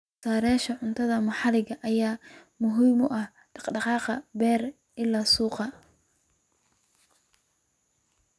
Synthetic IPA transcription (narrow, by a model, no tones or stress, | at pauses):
saːɾɛːʃɐʕʊnt̪ʰɐðɐmɐħɑlɪɣɐʔɐjaːmʊɦiːmʊʔɐh | ɖɑqɖɑqɑːqɐbɛːr | ʔɪlːaːsuːqɑ